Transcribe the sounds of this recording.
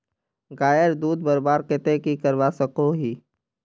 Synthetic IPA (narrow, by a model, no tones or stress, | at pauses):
ɡaːjəɾd̪uːd̪̚bəɾbaːɾket̪ekikəɾʋasəkoɦiː